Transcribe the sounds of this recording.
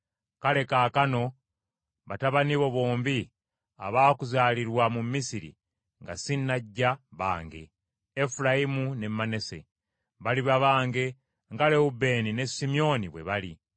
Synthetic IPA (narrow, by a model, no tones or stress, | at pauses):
kale̞kaːkano̞ | βataβaniβo̞βo̞ːmbi | a̰βaːkuzaːliɾwamumːisiɾḭ | ŋɡa̰sinːaɟːaβa̰ːŋɡe̞̰ː | fulajimunemːane̞se̞̰ | βaliβaβaːŋɡe̞ | ŋɡale̞ube̞ːnine̞simio̞niβwe̞̰βali